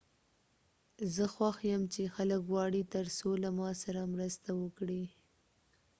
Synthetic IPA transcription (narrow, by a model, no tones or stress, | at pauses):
zəxwaxjəmt͡ʃexaləkwɑɽit̪əɾsolamɑsaɾamɾəst̪awəkɽi